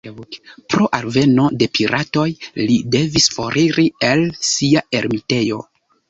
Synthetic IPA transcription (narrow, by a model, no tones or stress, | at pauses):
pɾo̞ʔalve̞no̞de̞pʰiɾato̞jlide̞visfo̞ɾʔiɾielsiae̞ɾmite̞jo̞